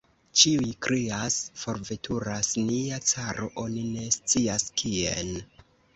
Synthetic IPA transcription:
t͡ʃiujkɾiasfo̞ɾve̞tʰuɾasniat͡saɾo̞ʔo̞nine̞st͡siaskiḛn

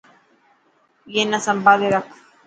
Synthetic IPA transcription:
jenasambad̪eðak

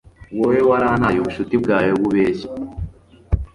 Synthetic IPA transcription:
wowewaɾanajoβuʃutibɡaːjoβuβeːʃe̥

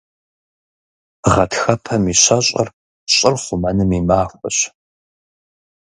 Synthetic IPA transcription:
ʁɐtxɐpʰɐmiːɕɐɕʼɐ̰r | ɕʼɪrχʷʊmɐnɨmimaːxʷɐɕ

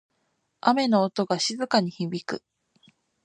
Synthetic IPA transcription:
ʔame̞no̞ːt̪o̞ɡaɕizɨkaɲ̟içibʲikɯ̟̰

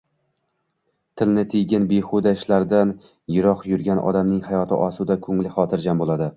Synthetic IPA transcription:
t̪ʰɪlnɪt̪ʰɪjɡʲɪnbeχʊd̪aɪʃlaɾd̪an | jɪɾɒqjʊɾɡʲanʔɒ̰d̪amnɪŋhajɒt̪ʰɪ̰ʔɒsʊd̪akʰɵŋlɪχɒt̪ʰɪɾd͡ʒambolˠad̪ɪ

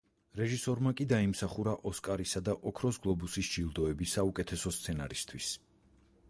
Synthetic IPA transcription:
ɾɛʒisɔɾmakʼid̪aimsaχuɾaʔɔskʼaɾisad̪aʔɔkʰɾɔsɡlˠɔbusisd͡ʒilˠd̪ɔɛbisːaukʼɛt̪ʰɛsɔst̪sʰɛna̰ɾist̪ʰwis

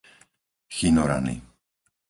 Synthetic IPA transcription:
xinɔɾa̰nḭ

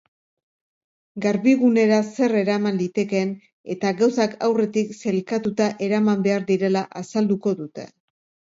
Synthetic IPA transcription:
ɡaɾβiɣune̞ɾase̞re̞ɾamand̪it̪e̞ke̞n | e̞t̪aɣawsakʰawre̞t̪ikse̞lkat̪ut̪aʔe̞ɾamambe̞aɾd̪iɾe̞laʔasald̪uko̞ðut̪e̞

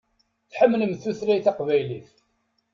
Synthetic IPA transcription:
θħəmːləmθuθɾæjθɑqvæjliθ

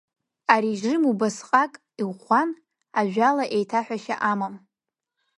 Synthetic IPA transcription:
aɾiʒrɨmubasqʼakʼ | ian | aʒᶣalaʔe̞jtʰaħʷᶣaʃa̰ʔamam

